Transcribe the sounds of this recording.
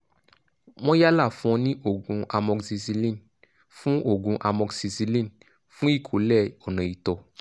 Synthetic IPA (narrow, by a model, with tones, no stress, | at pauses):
w̃ɔ̃˦ja˦la˦˨fũ˦ɔ̃˧nĩ˦ʔo˦˨ɡũ˨˧a˧mɔ̃˧ksi˧si˧lĩ˦˨n | fũ˦ʔo˦˨ɡũ˨˧ʔa˧mɔ˧ɡsi˧si˧lĩ˦n | fũ˦i˦˨kʰo˨˦lɛ˦˨ɔ˨nã˨i˨tɔ˧